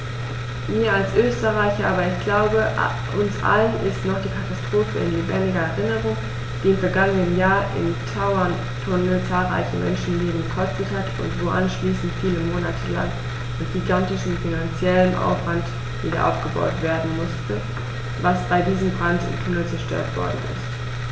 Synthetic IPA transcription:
miːɐalsʔøːstəʁaɪçɐʔaːbɐɪçɡ̥laʊbə | ʔʊnsʔa̰lənʔɪ̰stnɔχd̥iːkʰatastʁ̥oːfəɪ̰nleːbɛndɪɡɐɛʁɪnəʁʊŋ | d̥iːɪmfɛɐɡaŋənənjaːɐʔɪ̰mtʰaʊɐn | tʰʊnəlt͡saːlʁa̰ɪçəmʔɛ̰nʃn̩leːbm̩ɡəkʰɔstəthatʊ̰ntv̥oːʔanʃliːsn̩tfiːləmoːnatʰəla̰ŋ | mɪtɡ̥iɡantɪʃn̩finant͡sjɛlənʔa̰ʊfv̥ant | v̥iːdɐ̰ʔa̰ʊfɡ̥əba̰ʊtv̥eːɐdn̩mʊstə | vasb̥aɪdiːzəmbʁantɪ̰mtʰʊnəlt͡sɛɐʃtø̰ːɐtv̥ɔ̰ɐdn̩ɪ̰st

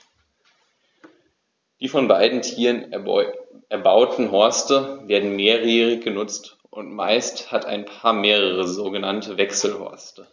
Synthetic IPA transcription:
d̥iːfɔnbaɪdn̩tʰiːʁən | ɛɐbaʊtn̩ɦɔɐstəveːɐdn̩meːʁjiːʁɪçɡ̥ənʊt͡st | ʔʊntmaɪsthata̰ɪnpʰaːɐmeːʁəʁəzoːɡənantʰəvɛksl̩hɔ̰ɐstə

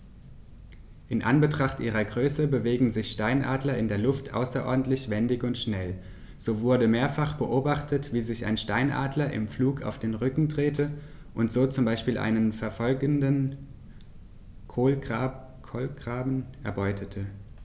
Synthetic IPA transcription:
ʔɪnʔa̰nbətʁ̥aχtʔiːʁ̞ɐɡʁøːsəbəveːɡŋ̩zɪçʃtaɪnʔa̰ːdlɐɪndeːɐlʊftʰʔa̰ʊsɐʔɔ̰ɐdn̩tlɪçv̥ɛndɪçʊntʃnɛl | z̥oːvʊɐdəmeːɐfaχb̥əʔoːbaχtʰətv̥iːzɪça̰ɪnʃtaɪnʔa̰ːdlɐʔɪ̰mfluːkʰa̰ʊfd̥eːnʁʏkŋ̩dʁeːtʰə | ʔʊntz̥oːt͡sʊmbaɪʃpiːlʔa̰ɪnənfɛɐfɔlɡəndən | kʰolʰ | olɡʁ̥aːbn̩ɛ̰ɐbɔʏtʰətʰə

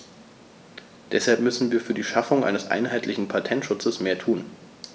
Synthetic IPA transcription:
d̥ɛshalpmʏsn̩viːɐfyːɐdiːʃafʊŋʔa̰ɪnəsʔa̰ɪnɦaɪtʰlɪçn̩pʰatʰɛntʃʊt͡səsmeːɐtʰuːn

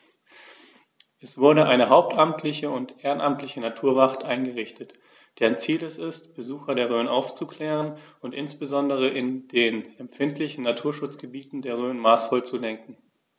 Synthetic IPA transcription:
ʔɛsv̥ʊɐɾəʔaɪnəɦaʊp̚tʰʔamtʰlɪçəʊntʔeːʁənʔamtʰlɪçənatʰuːɐvaχtʔaɪnɡəʁɪçtət | d̥eːɐnt͡siːlɛsɪstb̥əzuːxɐdeːɐʁ̞øːənʔa̰ʊft͡sukl̥ɛːʁənʊntʔɪnsb̥əzɔndəʁ̞əʔɪndeːnɛmfɪntʰlɪçn̩natʰuːɐʃʊt͡sɡ̥əbiːtn̩deːɐʁ̞øːnmaːsfɔlt͡sudɛŋkŋ̩

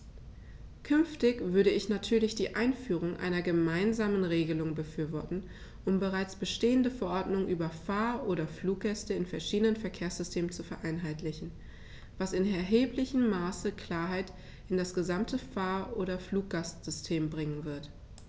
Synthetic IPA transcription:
kʰʏnftɪçv̥ʏɐɾəɪçnatʰyːɐlɪçd̥iːʔaɪnfyːʁ̞ʊŋʔa̰ɪnɐɡəmaɪnzaːmənʁeːɡəlʊŋbəfyːɐvɔɐtn̩ | ʔʊmbəʁaɪt͡sb̥əʃteːəndəfɛɐʔɔɐdnʊŋʔyːbɐfaːɐʔoːɾɐfluːk̚ɡ̥ɛstəɪnfɛɐʃiːdənənfɛɐkʰeːɐsz̥ʏstʰeːmənt͡sufɛɐʔaɪnɦaɪtlɪçn̩ | vasɪnɛɐɦeːplɪçəm̩ːaːsəkʰl̥aːɐɦaɪt | ɪndasɡ̥əzamtʰəfaːɐʔoːɾɐfluːk̚ɡ̥astz̥ʏstʰeːmbʁɪŋənvɪɐt

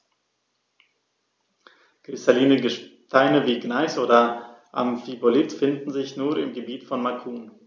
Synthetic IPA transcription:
ɡ̥ʁ̥ɪstaliːnəɡəʃtʰaɪnəviːɡnaɪsʔoːdɐʔa̰mfibolɪtfɪndn̩zɪçnuːɐɪmɡəbiːtfɔnmakʰuːn

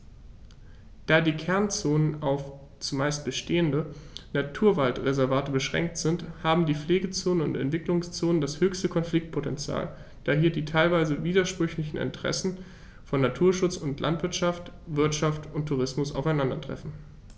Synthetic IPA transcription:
d̥aːdiːkʰɛɐnt͡soːnənaʊf | t͡sumaɪst̚b̥əʃteːəndənatʰuːɐvaltʁezɛɐvaːtəbəʃʁ̥ɛ̰ŋk̚tz̥ɪnthaːbm̩diːfleːɡət͡soːnənʊ̰ntɛ̰ntv̥ɪklʊŋst͡soːnəndashøːçstəkʰɔnflɪk̚t̚pʰotɛnt͡sja̰ːl | d̥aːɦiːɐdiːtʰaɪlvaɪzəviːdɐʃpʁ̥ʏçlɪçn̩ɪ̰ntəʁ̥ɛ̰sn̩ | fɔnːatʰuːɐʃʊt͡sʊntlʔa̰ntv̥ɪɐtʃaftv̥ɪɐtʃaftʊntʰːuʁ̞ɪsmʊsa̰ʊfaɪnandɐtʁ̥ɛ̰fn̩

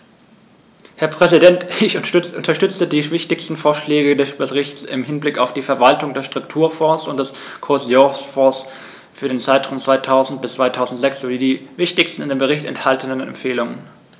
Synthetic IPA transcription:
hɛɐpʁ̥ɛzidɛntɪçʔʊntɐʃtʏt͡sədiːvɪçtɪçstn̩foːɐʃlɛːɡədɛsb̥əsʁɪçtsɪ̰mhɪnblɪkaʊfd̥iːfɛɐvaltʊŋdeːɐʃtʁ̥ʊktʰuːɐfɔɐsʊnt̚d̥ɛs | kʰoɐzjɔsfɔɐs | fyːɐɾeːnt͡saɪtʁ̥aʊmt͡sv̥aɪtʰaʊzn̩t̚b̥ɪstt͡sv̥aɪtʰaʊzn̩tz̥ɛksz̥oviːdiːvɪçtɪçstn̩ɪndeːmbəʁɪçtɛ̰nthaltʰənənnɛ̰mfeːlʊŋə̰n

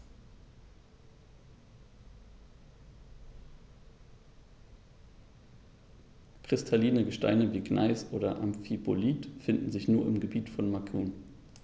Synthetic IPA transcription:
kʁ̥ɪstʰaliːnəɡəʃta̰ɪnəviːɡna̰ɪsʔoːdɐʔamfiboliːtfɪndn̩zɪçnuːɐɪmɡəbiːtfɔnmakʰuːn

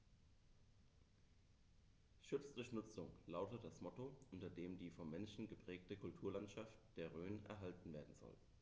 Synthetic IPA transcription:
ʃʏt͡sd̥ɪʊçnʊt͡sʊŋlaʊtətd̥asmɔtoʔʊntɐdeːmdiːfɔmːɛnʃn̩ɡəpʁ̥ɛːk̚təkʰʊltʰuːɐlantʃaftd̥eːɐʁøːnɛ̰ɐɦaltn̩veːɐdn̩z̥ɔ̰l

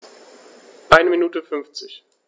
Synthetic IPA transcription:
ʔaɪnəminuːtəfʏnft͡sɪç

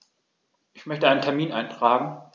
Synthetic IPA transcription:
ʔɪçmœçtəʔaɪnəntʰɛɐmiːnʔaɪntʁ̥aːɡŋ̩

